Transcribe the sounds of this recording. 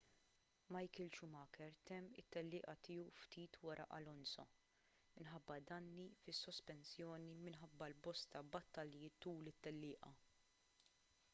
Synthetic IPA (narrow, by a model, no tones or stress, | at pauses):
mɐjkɪlt͡ʃumɐːkɛɾt̪ɛmːɪt̪ːɛlːɪːʔɐt̪ɪːuft̪iːt̪wɐɾʔɐ̰ʔɐlɔnsɐ̰ | mɪnħɐbːɐd̪ɐnːifɪsːɔspɛnsjɔːnimɪnħɐbːɐlbɔst̪ɐbɐt̪ːɐljɪt̪uːlɪt̪ːɛlːɪːʔɐ̰